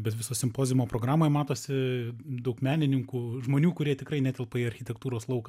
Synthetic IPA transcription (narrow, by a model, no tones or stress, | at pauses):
bʲɛt̪ʋʲɪsoːsʲɪmpoːzʲɪmoːpɾoːɡɾɑːmoːjmɑːt̪oːsʲɪd̪ɐʊkmʲæːnʲɪnʲɪŋkuːʒmoːnʲuːkʊɾʲiɛt̪ʲɪkɾɐɪnʲæt̪ʲɛlˠpɐɐɾʲxʲɪt̪ʲɛkt̪uːɾoːslˠɐʊkɐ